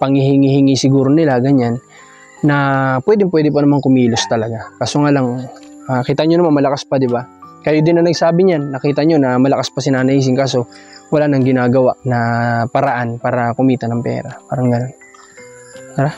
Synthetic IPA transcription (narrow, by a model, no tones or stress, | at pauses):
pɐŋhihɪŋihɪŋisɪɡuːɾo̞nɪlaɡɐɲanː | ɐpwɛːd̪ɪŋpwɛd̪ɪponɐmaŋkʊmiːlost̪ɐlɐɡakaːsoŋaːlɐŋ | akiːt̪ɐɲonɐmanmɐlɐkaspɐd̪ɪbakɐjod̪ɪnɐŋnɐɡsaːbɪɲanːɐkiːt̪ɐɲo̞nɐmɐlɐkaspɐsɪnaːnɐʔiːs̬ɪŋkaːso̞wɐlaːnɐŋɡɪnaːɡɐwaʔnɐpɐɾɐʔanpaːɾɐkʊmiːt̪ɐnɐŋpɛ̰ːɾɐpaːɾɐŋɡɐno̞n | ɾa